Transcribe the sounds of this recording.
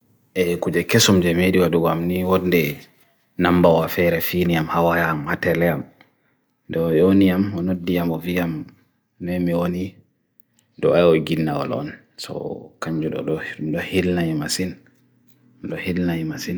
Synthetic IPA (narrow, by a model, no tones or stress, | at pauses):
ʔɛkud͡ʒɛkɛsɔmd͡ʒɛmeɗiwaɗuɡɔamniwɔndɛ | nambawafɛɾɛfiːniamhawajaːmhatɛlɛam | dɔjonijamɔnodːijamɔvijam | nɛmiwoni | dɔajɔɡinːawɔ̰lɔ̰n | sɔ̰kaɲd͡ʒuɗɔ̰ɗɔɗɔhilnaɲimasin | ɗɔhilnajimasin